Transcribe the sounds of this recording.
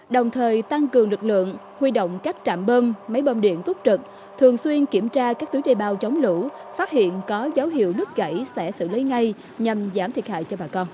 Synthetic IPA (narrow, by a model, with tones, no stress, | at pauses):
ɗə˨˩wŋ͡mt̪ʰəː˨˩jt̪a˧ŋkɨ˨˩əŋlɨ˨˩k̚lɨ̰˧˨əŋ | hwi˧ɗo̰˧˨wŋ͡mkaː˦˥k̚t͡ɕa̰ː˧˨mɓəː˧mma˨˦jɓə˧nɗḭ˧˨ənt̪ʊ˦˥k͡p̚t͡ɕɨ˨˩k̚ | t̪ʰɨ˨˩əŋswi˧ənki˧˩əmt͡ɕaː˧kaː˦˥k̚t̪u˨˦ɗe˧˩ɓaː˨˩wt͡ɕə˨˦wŋ͡mlṵ˧˥faː˦˥t̚hḭ˧˨ənkɔ˨˦zaː˨˦wɦḭ˧˨əwnɨ˦˥ək̚ɣə̰˧˩jsɛ̰˧˥sɨ̰˧˨lə˨˦jŋa˧j | ɲa˨˩mzaː˧˩mt̪ʰi˨˩ət̚ha̰ː˧˨jt͡ɕɔ˧ɓaː˨˩kɔ˧n